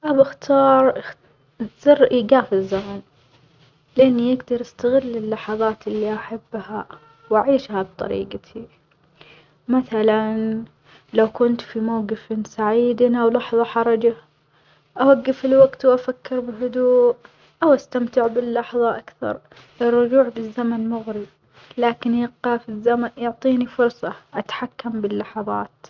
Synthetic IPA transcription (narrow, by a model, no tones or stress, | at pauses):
ʔabaxt̪ʰɑːɾˤ | zɪɾɡaːfɪzːamaːn | lɪʔanːijɪɡd̪ɑɾˤʔast̪aɣɪlːɪlːɑħɑðˤɑːt̪ɪlːiʔaħabːha | wʔaʕiːʃhab̚t̪ˤɑ̰ɾḭːɡt̪ʰi | maθalan | lawkʊnt̪fimawɡɪfɪnsaʕiːd̪anʔawlɑħðˤɑħɑɾˤɑd͡ʒa | ʔawaɡːɪfɪlwaɡt̪wʔafakːɪɾbɪɦʊd̪uːʔ | ʔawʔast̪amt̪ɪʕbɪlːɑħðˤɑʔakθɑ̰ɾˤ | ʔɪrːʊd͡ʒuːʕbɪzːamanmʊɣɾi | laːkɪnjɪqːɑfizːamanjʊʕt̪ˤiːnifʊɾˤsˤɑʔat̪ḁħakːambɪlːɑħɑðˤɑ̰ːt̪